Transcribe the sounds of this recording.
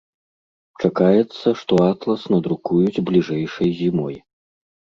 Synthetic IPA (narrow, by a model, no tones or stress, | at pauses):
t͡ʂakajɛt̪sːɐʂt̪ɔat̪lˠɐsnɐd̪ɾukujud͡zʲblʲiʐɛjʂɐjzʲimɔj